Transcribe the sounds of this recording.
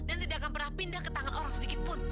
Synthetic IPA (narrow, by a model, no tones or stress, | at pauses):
dant̪idakanpərnapindahkət̪aŋanʔoɾaŋsədikɪt̪̚pʊn